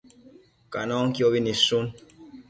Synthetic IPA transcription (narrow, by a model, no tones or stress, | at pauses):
kanɔŋkiɔβinisun